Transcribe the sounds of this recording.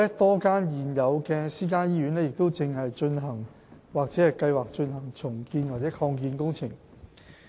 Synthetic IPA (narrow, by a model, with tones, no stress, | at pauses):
ɛ˥t̪ɔː˥kaː˥njiː˨˩njɐ˨˧wkɛː˧siː˥k̬aː˥jiː˥jy˨˥nlɛː˥jɪ˨k̚t̪o˥wt͡sɪ˨˧ŋhɐ˨jt͡ʃɵ˧nɦɐ˨˩ŋ | waː˨k̚t͡sɛː˨˥hɐ˨jkɐ˧jwaː˨k̚t͡ʃɵ˧nhɐ˨˩ŋt͡sʰʊ˨˩ŋkiː˧nwaː˨˩t͡sɛː˨˥kʰɔː˧ŋk̬iː˧nkʊ˥ŋt͡sʰɪ˨˩ŋ